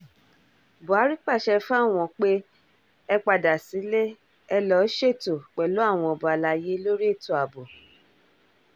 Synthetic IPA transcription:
bo˨a˨˦ɾi˦k͡pa˦˨ʃɛ˧fa˦˨w̃ɔ̃˧˨k͡pe˦ | ɛ˧k͡pa˧da˨si˨˦le˦ | ɛ˧lɔ˨˦ʃe˦˨to˨k͡pɛ˨lo˨˦a˦˨w̃ɔ̃˧ɔ˨ba˨la˧˨je˨˦lo˦ɾi˦e˦˨to˨a˨bo˨

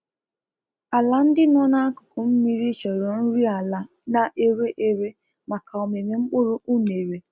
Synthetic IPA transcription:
a˨la˦n̩˦dɪ˦nɔ˦na˦a˦kʊ˨kʊ˨m̩˦mi˦ɾi˦t͡ʃɔ˨ɾo˨n̩˦ɾi˦a˨la˨ | na˨ʔe˦ɾe˦ʔe˦ɾe˦ | ma˨kʰa˨ɔ˨me˨me˨ŋ͡m̩˦k͡pʊ˦ɾʊ˦u˦ne˨ɾe˨

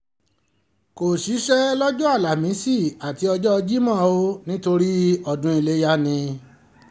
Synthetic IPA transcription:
ko˨ʃi˨˦ʃɛ˦lɔ˦d͡ʒɔ˦a˦˨la˨mĩ˨˦si˦˨a˨ti˨˦ɔ˧d͡ʒɔ˦ɔ˧d͡ʒi˦mã˦˨o˦nĩ˦to˧ɾi˦ɔ˧dũ˧˦i˧le˦ja˦nĩ˧

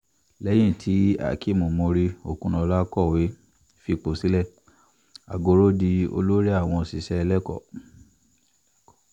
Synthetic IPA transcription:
lɛ˨˦j̃ĩ˦˨tʰi˨˦a̰˨ki˦˨mũ˨mõ˧ɾi˧o̰˨kũ˧nã˧la˦kɔ˦˨we˨˦ | fi˧k͡po˨si˨˦lɛ˦˨ | a̰˨ɡo˧˦ɾo˦di˧o̰˧lo˦ɾi˦a˦˨w̃ɔ̃˧˨si˨ʃɛ˧ɛ˧lɛ˦kɔ̰˦˨

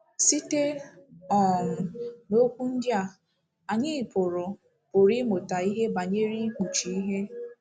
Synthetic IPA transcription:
si˦te˦ɔ˨n̩˨no˦kʷu˦n̩˦dja˨ | a˨ɲɪ˦˨pʊ˨ɾʊ˨ | pʊ˨ɾi˦mʊ˨ta˨i˦ɦe˦ba˨ɲe˦ɾi˦k͡pu˨t͡ʃi˨i˦ɦe˦

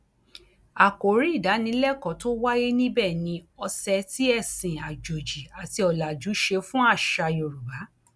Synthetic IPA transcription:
a˨ko˨ɾi˨˦i˦˨da˨˦nĩ˧˦lɛ˦kɔ˨to˦wa˦je˦nĩ˦bɛː˦˨nĩ˧ɔ˧sɛ˧ti˦ɛ˦˨sĩ˨a˨d͡ʒo˨d͡ʒi˨a˨ti˧ɔ˨la˨d͡ʒu˨˦ʃe˧fũ˦a˦˨ʃa˧jo˨ɾu˨ba˨˦

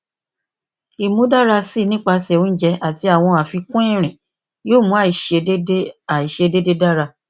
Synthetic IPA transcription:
i˨mũ˨˦da˦ɾa˧si˦˨˧nĩ˦k͡pa˧sɛ˨ũ˨˦n̩˦d͡ʒɛ˧˦ʔa˨ti˨˧a˨w̃ɔ̃˧a˨fi˧kũ˦ĩ˦˨ɾ̃ĩ˨ | joː˦˨mũ˧˦a˦˨i˨ʃe˧˦a˨i˨ʃe˧de˦de˦da˦ɾa˧

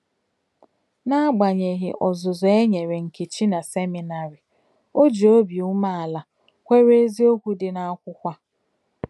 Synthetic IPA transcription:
na˦ɡ͡ba˨ɲe˨ɦɪ˨ʔɔ˨zʊ˨zʊ˨e˦ɲe˨ɾe˨ŋ̩˨ke˨t͡ʃi˦na˨se˦mi˨na˨ɾɪ˨ | o˦d͡ʒi˨o˦bi˨u˦ma˦a˨la˨ | kʷe˦ɾe˦zi˦o˦kʷu˦dɪ˨na˦a˦kʷʊ˦kʷa˦

